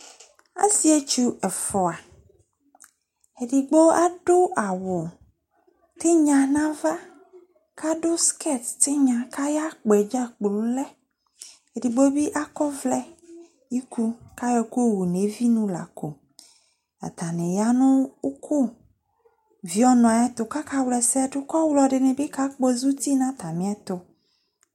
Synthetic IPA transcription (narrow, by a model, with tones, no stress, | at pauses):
a̰˦si˦e˦t͡ʃu˦ɛ˨fɔ˨a˨ | e˨ɖi˨ɡ͡bo˦a˦ɖo˦a˨wʊ˨ | t̪e˦ɲã˨nã˦va˦ | ka˦ɖo˦skʰɛ˦˨t̪t̪e˦ɲã˨ka˦ja˦k͡pɛ˨d͡ʒa˦k͡plu˦lɛ˦ | e˨ɖi˨ɡ͡bo˦bi˦ʔa˦kɔ˦vlɛ˦ | ji˦ku˦ka˦jɔ˨˦ko˦˨wu˨ne˨vi˦nũ˦la̰˨ko˨ | a̰˨t̪a˨nẽ˨ja˦nʊ̃˦kʰo˦ | vi˦ɔ˦nɔ̃˨˦ɛ˦t̪o˨ka˦ka˦wlɛ˨sɛ˦ɖʊ˦kɔ˦wlɔ˨ɖe˨nẽ˨be˦ka˦k͡po˦zu˦t̪i˦nã˦t̪a˨mĩ˨˦ɛ˦t̪o˨